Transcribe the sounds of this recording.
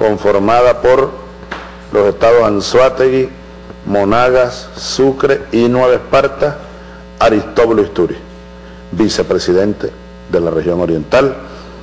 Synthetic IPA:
ko̞ɱfo̞ɾmaðapo̞ɾ | lo̞se̞st̪aðo̞sanswat̪eɣi | monaɣasːukɾeinweβ̞espaɾt̪as | aɾist̪o̞βluist̪uɾḭ | bise̞pɾe̞siðe̞nt̪e | ðe̞larehjo̞ŋo̞ɾje̞nt̪al

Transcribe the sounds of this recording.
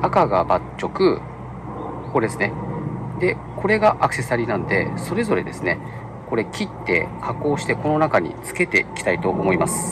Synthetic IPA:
akaɡabat͡ɕːo̞kɯ̟ | koɾesɨ̥ne̞d̪e̞ | ko̞ɾe̞ɡaʔakɯ̟̥se̞saɾʲinãnod̪e̞so̞ɾe̞zo̞ɾe̞d̪e̞sɨne̞ | ko̞ɾe̞kʲit̪ːe̞̰kʰako̞ːɕi̥t̪e̞ko̞no̞nakaɲ̟ḭt͡sɨ̥ke̞t̪e̞ikʲi̥t̪ait̪o̞ʔːmo̞imasɨ̥

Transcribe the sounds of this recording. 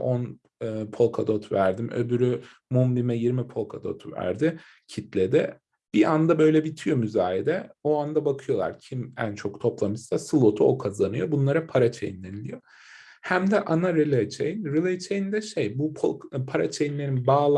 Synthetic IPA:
on | ɯːpʰo̞lˠkʰad̪o̞t̪ʰvæɾd̪imʔø̰byɾy | mumbimɛjiɾmipʰo̞lˠkʰad̪o̞̰t̪ʰvæ̰ɾd̪ɪ | cʰit̪ʰlʲed̪ɛ | b̥iand̪abø̞jlʲɛbit̪ʰijo̞myzaːjed̪ɛoand̪abakʰɯjo̞lˠa̰ɾcʰimænt͡ʃʰo̞kt̪ʰo̞plˠamɯssasɯlˠot̪ʰuokʰazanɯjo̞bunlˠaɾapʰaɾat͡ʃʰejinlʲenilʲḭjo̞ | hæmd̪ɛʔanaɾilˠet͡ʃʰḛjnɾilʲˠet͡ʃʰejind̪ɛʃejbupʰpʰaɾa̰t͡ʃʰejinlʲe̞ɾinbaːlˠ

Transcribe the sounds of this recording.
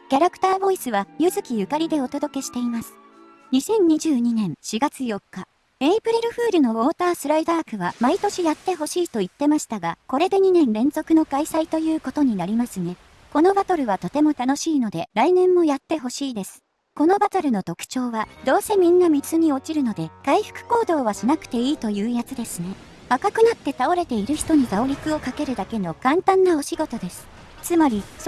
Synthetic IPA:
kʲaɾakɯ̟̥t̪aːbo̞isɨβajɯ̟zɨkʲijɯ̟kaɾʲid̪e̞o̞t̪o̞d̪o̞ke̞ɕi̥t̪e̞imasɨ̥ | ɲ̟isẽ̞ɲ̟ɲːiʑɨːɲ̟inẽ̞ɰ̃ɕiɡat͡sɨjo̞kːa | eipɯ̟ɾʲiɾɯ̟ɸɯ̟ːɾɯ̟no̞o̞ːt̪aːsɨɾaid̪aːkɯ̟βamait̪o̞ɕijat̪ːe̞ɦo̞ɕiːt̪o̞it̪ːe̞maɕi̥t̪aɡako̞ɾe̞d̪e̞ɲ̟inẽ̞nɾẽ̞nzo̞kɯ̟no̞kaisait̪o̞jɯ̟ːko̞t̪o̞ɲ̟inaɾʲimasɨne̞ | ko̞no̞bat̪o̞ɾɯ̟βat̪o̞t̪e̞mo̞t̪ano̞ɕiːno̞d̪e̞ɾainẽ̞mːo̞jat̪ːe̞ɦo̞ɕiːd̪e̞sɨ̥ | ko̞no̞bat̪aɾɯ̟no̞t̪o̞kɯ̥t͡ɕo̞ːβad̪o̞ːse̞mʲĩnːamʲit͡sɨɲ̟io̞t͡ɕiɾɯ̟no̞d̪e̞ɡ̥aiɸɯ̟̥kɯ̟̥ko̞ːd̪o̞ːβ̞aɕinakɯ̟̥t̪e̞iːt̪o̞jɯ̟ːjat͡sɨd̪e̞sɨne̞ | βakakɯ̟nat̪ːe̞t̪ao̞ɾe̞t̪e̞iɾɯ̟çi̥t̪o̞ɲ̟iɡao̞ɾʲikɯ̟o̞kake̞ɾɯ̟d̪ake̞no̞kãnt̪ãnːao̞ɕiɡo̞t̪o̞d̪e̞sɨ̥ | t͡sɨmaɾʲis

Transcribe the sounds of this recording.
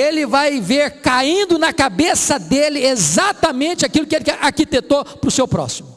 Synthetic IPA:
elɪvajveɾkaĩnd̪ʊnɐkabesɐd̪elɪezat̪ɐmẽnt͡ʃɪakilʊkɪelɪaɾkit̪et̪opɾʊsewpɾɔ̰simʊ

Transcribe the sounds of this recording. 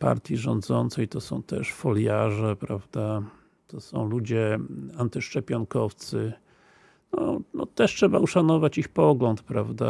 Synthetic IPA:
pa̰ɾt̪ʲjiʐɔnd̪zɔnt̪sɛjt̪ɔsɔ̰̃w̃t̪ɛ̰ʂfɔljaʐɛpɾavd̪a | t̪ɔsɔ̰̃w̃lud͡ʑɛant̪ɘʂt͡ʂɛpʲjɔŋkɔft̪sɘ | nɔ̰nɔt̪ɛʂtʂɛbauʂanɔvat͡ɕixpɔɡlɔnt̪pɾavd̪a

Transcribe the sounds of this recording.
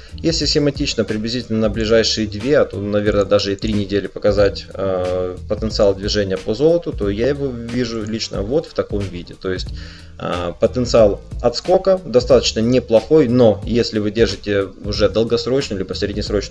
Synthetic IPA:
jesʲlʲɪsʲɪmɐtʲit͡ɕnəpɾʲɪblʲɪzʲitʲɪlʲnənəblʲɪʐajʂɨjəd̪vʲeɐt̪o̰nɐvʲe̞rnəd̪aʐɨɪt̪ɾʲinʲɪdʲelʲɪpəkɐzatʲəpət̪ənt̪sɨalˠd̪vʲɪʐɛnʲɪjəpəzo̞lˠət̪ʊt̪o̞jajɪvo̞vʲiʐʊlʲit͡ɕnə̰vo̞t̪ft̪ɐko̞mvʲidʲɪt̪o̞jɪsʲtʲ | pət̪ənt̪sɨalˠɐt̪sko̞kəd̪ɐst̪at̪ə̥t͡ɕnənʲɪplˠɐxo̞jno̞jesʲlʲɪvɨdʲerʐɨtʲɪʊʐɛd̪əlˠɡɐsɾo̞t͡ɕnəlʲibəsʲɾʲɪdʲnʲɪsɾo̞t͡ɕn

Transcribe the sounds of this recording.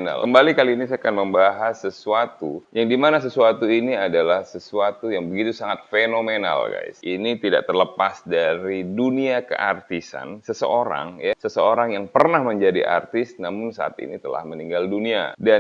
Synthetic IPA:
na̰lkəmbalikaliːnisaakanməmbaɦasːəsuat̪ujaŋdimanas̬əsuat̪uiniadalahsəsuat̪ujaŋbəɡit̪usaŋat̪̚fenomena̰lɡa̰ɪ̰sinit̪ida̰ʔt̪ərləpasdaɾiduniakə̰ʔa̰rt̪isa̰nsəsə̰oɾa̰ŋjasəsəoɾaŋjaŋpərnahməɲd͡ʒadḭʔa̰rt̪ɪst̪̚namʊnsa̰a̰t̪ḭnit̪əla̰hməniŋɡaldunia̰da

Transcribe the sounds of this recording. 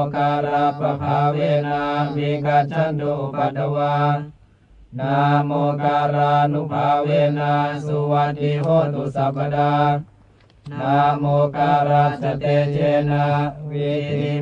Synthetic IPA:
kaɾapabʱawenawiɡat͡ʃandopadəwa | namokaɾanubʱawenasuwat̪iɦot̪usabəda | namokaɾasət̪ed͡ʒenawiɾi

